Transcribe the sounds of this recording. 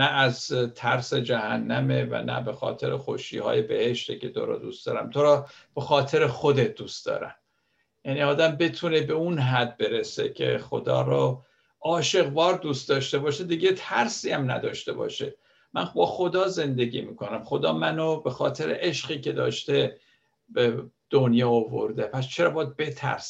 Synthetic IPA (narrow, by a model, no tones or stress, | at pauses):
næːzt̪ʰæɾse̞d͡ʒæhænːæmevæ̰næ̰be̞xɒ̰ːt̪ʰe̞ɾexo̰ʃiːhɒ̰ːje̞be̞heʃt̪ecʰe̞t̪ʰo̰ɾɒ̰ːd̪ṵːst̪d̪ɒːɾæmt̪ʰoɾɒːb̥e̞xɒːt̪ʰe̞ɾexo̞d̪et̪̚d̪uːst̪d̪ɒ̰ːɾæ̰m | jæniːɒːd̪æmbe̞t̪ʰune̞be̞unɦæd̪̚be̞ɾese̞̰cʰe̞̰xo̞̰d̪ɒ̰ːɾɔ | ɒːʃe̞ɣvɒːɾd̪uːst̪d̪ɒːʃt̪e̞bɒːʃed̪iːɟet̪ʰæɾsiːæmnæ̰d̪ɒːʃt̪e̞bɒ̰ːʃḛ | mænbɒːxo̞d̪ɒːze̞nd̪e̞ɡiːmiːkʰo̞næmxo̞d̪ɒːmænobe̞xɒːt̪ʰe̞ɾḛʔeʃɢiːcʰe̞d̪ɒ̰ːʃt̪e̞ | bed̪̥onjɒːovo̞̰ɾd̪epʰæst͡ʃʰe̞ɾɒːbɒd̪̚be̞t̪ʰæ̰ɾs